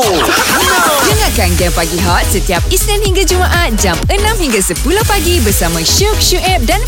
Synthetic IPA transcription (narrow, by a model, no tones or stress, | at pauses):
dəŋãkanɡɛmpaɡiɦɔt̪̚sət̪iap̚istɛnhiŋɡad͡ʒumãʔat̪̚d͡ʒamənãmhiŋɡasəpulohpaɡibərsamãʃok̚ʃuʔɛp̚dan